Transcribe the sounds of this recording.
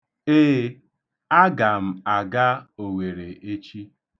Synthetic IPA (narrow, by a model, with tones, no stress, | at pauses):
eː˦ | a˦ɡa˨m̩˨a˨ɡa˦o˨we˨ɾe˨e˦t͡ʃi˦